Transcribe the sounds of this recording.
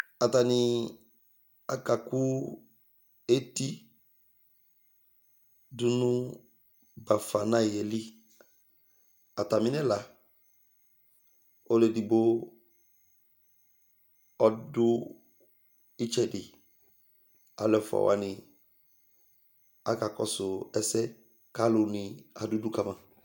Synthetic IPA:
a˨ta˨nɪ˨ | a˨ka˨ku˦ | e˦ti˦ | du˦nʊ̃˦ | ba˨fa˨na˦˨je˨li˦ | a˨ta˨mɪ˦nɛ˦la˨ | o˦lɛ˨di˨bo˦ | ɔ˦dʊ˦ | ɪ˦t͡ʃɛ˦˨dɪ˨ | a̰˨lɛ˨fʊ˨a̰˨wa̰˨nɪ̃˨ | a˨ka˨kɔ̰˨sʊ˨ɛ˦sɛ˦ | ka˦lʊ˨nɪ̃˨a˨dʊ˦dʊ˦ka˨mã˨

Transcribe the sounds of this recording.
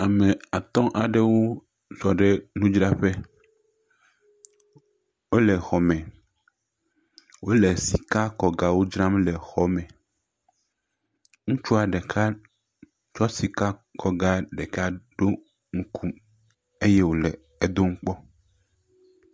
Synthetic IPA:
a˨mẽ˨a˨t̪ɔ̃˦ʔa˨ɖe˦wo˦ | sɔ˨ɖe˦nũ˦d͡ʒɾa˦ɸe˦ | wo˦lɛ˨xɔ˨mɛ̃˨ | wo˦le˨si˨ka˦kɔ˨ɡa˨wo˦d͡ʒɾã˦mlɛ˨xɔ˦mɛ̃˨ | ŋũ˦t͡ʃu˦a˨ɖe˨kʰa˦ | t͡ʃɔ˦si˨ka˦kɔ˨ɡa˦ɖe˨ka˦ɖo˦ | ŋ̩˦kʰu˦ | e˦jɛ˦wo˨lɛ˨ | e˨d̪o˦ŋ̩˦k͡pɔ˦

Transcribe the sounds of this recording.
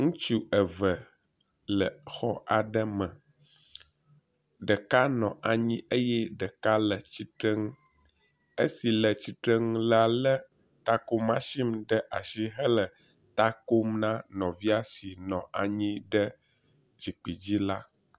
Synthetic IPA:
ŋũ˦t͡ʃu˦ə˨və˨ | lə˨xɔ˦ʔa˨ɖə˦mɛ̃˨ | ɖə˨ka˦nɔ̃˨ʔa˨ɲĩ˦e˦jɛ˦ɖə˨ka˦lə˨t͡ɕi˦t̪ɾɛ˦ŋ˦ | ḛ˦si˨lə˨t͡ɕi˨t̪ɾɛ˦ŋ˦la˨lə˦ | t̪a˦ko˦mã˦ʃi˦mɖə˦ʔa˨ʃi˦ɦə˦lə˨ | t̪a˦ko˦mnã˦nɔ̃˨vi˦a˦si˨nɔ̃˨a˨ɲĩ˦ɖə˦ | d͡ʑi˨k͡pi˨d͡ʑi˦la˦

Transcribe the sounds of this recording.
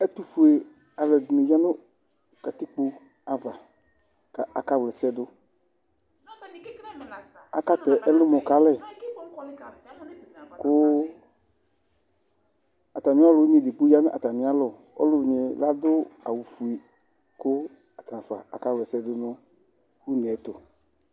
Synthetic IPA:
ɛ˦t̪u˨fu˨e˨ | a˨lɛ˨dnɪ̃˨ja˦nʊ̃˦ | ka˨t̪i˦k͡po˦ | a˨va˨ | ka˨a˨ka˨wlɛ˨sɛ˦dʊ˦ | a̰˦ka˦t̪ɛ˨ʔɛ˦lʊ˦mɔ˨ka˨lɛ˦˨ | kʊ˦ | a˨ta˨mĩ˨˦a˦lʊ˨u˦ɲĩ˨dɪ˨k͡pu˦ja˦nʊ˦ʔa˨ta˨mĩ˨˦a˦lɔ˨ | ɔ̰˦lʊ˨ɲɪ˨la˦dʊ˦a˨wu˨fu˨e˨ | kʊ˦ | a˨t̪ɾã˨fa̰˨ʔa˨ka˦wlɛ˨sɛ˦dʊ˦nʊ̃˦ | wu˦nɛ˨˦tʊ˨

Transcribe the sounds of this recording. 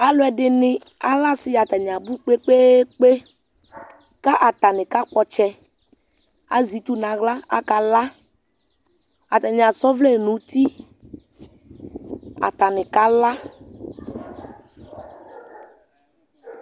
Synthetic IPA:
a˦lo˦ɛ˨ɖɪ˨nɪ̃˨ | a̰˨la˦si˨a˨t̪a˨ɲ˨ã˨bu˦k͡pe˦k͡pe˦k͡pe˦ | ka˦ʔa˨t̪a˨nɪ̃˨ka˦k͡pɔ˦t͡ʃɛ˦ | a̰˦zi˨t̪u˦nã˨ɣla˦a̰˦ka˨la˦ | a˨t̪a˨ɲ˨ã˨sɔ˦vle˦˨nũ˨˦t̪i˦ | a̰˨t̪a˨nɪ̃˨ka˦la˦

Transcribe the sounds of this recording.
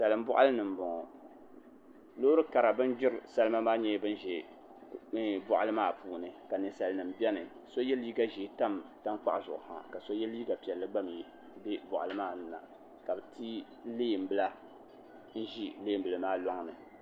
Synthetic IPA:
sa˨lɨ˨m̩˦bʊ˦ʔa̰˦lɨ˦nɨ˨m˨bɔ˨ŋɔ˨ | loː˦ɾɨ˦ka˨ɾa˨bɨ˦n˦d͡ʒɪ˦ɾɨ˨sa˦lɨ˦ma˦maː˦ɲɛ˦bɨ˦n˦ʒɛ˨˦ | bʊ˨ʔa˨lɨ˦maː˦˨pʰuː˨nɨ˨ka˨nɨ˨sa˨lnɨ˨m˦bʲɛ˦nɨ˨ | so˦jɛ˦liː˦ɡa˦ʒiː˨˦ta˦mta˦ŋ˦k͡pa̰˦ʔzʊ˨ʔʊ̰˨ha̰˨ka˨so˦jɛ˦liː˦ɡa˨pi˨ɛ˨lːɨ˦ɡ͡ba˦m˨ji˨˦ | be˦bɔ˨ʔa˨lɨ˦maː˦˨nɨ˨na̰˨ | ka˨bɨ˨tʰi˦ | leː˦˨m̩˨bɨ˦la˦ | n̩˦ʒi˦leː˦˨m̩˨bɨ˨lɨ˨maː˦lɔ˦ŋnɨ˨

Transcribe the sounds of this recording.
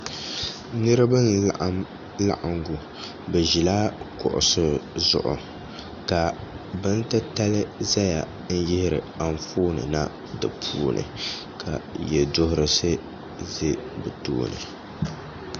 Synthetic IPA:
nɨ˦ɾɨ˦ba˦n˦ | la̰˦ʔa˨ŋɡu˨ | bɛ˨ʒi˨laː˦kʊ˨ʔʊ̰˨sɨ˦zʊ˨ʔʊ˨ | ka˨ | bɨ˦n̩˦tɨ˦ta˦lɨ˦za˦ja˨ | n̩˦jɪ˦hɪ˦ɾɨ̰˨a˨n˦foː˦nɨ̰˨na˦ | dɨ˨pʰuː˦nʔɨ̰˨ | kʰa̰˨jɛ˨do˦hʊ˦ɾɨ˦sɨ˦ | ze˦bɨ˨to̰ː˦nɨ̰˨

